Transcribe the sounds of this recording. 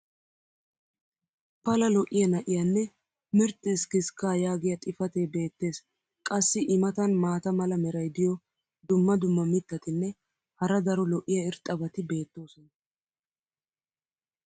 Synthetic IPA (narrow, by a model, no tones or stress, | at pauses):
pɐlɐlɔʔɪjɐnɐʔɪjɐnːɛ | mɪɾt̪ʼːɪskɪskːaːjaːɡɪjɐt̪ʼɪfɐt̪ebe̞ːt̪ːe̞ːs | kʼɐsːɪʔɪmɐt̪ɐnmaːt̪ɐmɐlɐmɛɾɐjd̪ɪjɔ | d̪ʊmːɐd̪ʊmːɐmɪt̪ːɐt̪ɪnːɛ | hɐɾɐd̪ɐɾɔlɔʔɪjɐɪɾt̪ʼːɐbɐt̪ɪbe̞ːt̪ːo̞ːsɔnɐ